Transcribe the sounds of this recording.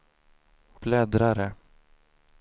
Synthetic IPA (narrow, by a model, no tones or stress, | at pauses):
b̥ʰlɛd̪ɾaɾə